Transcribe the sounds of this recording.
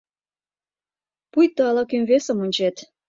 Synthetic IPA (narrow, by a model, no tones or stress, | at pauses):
pujt̪ɑlɑkymʲβesə̆munʲt͡ɕet̪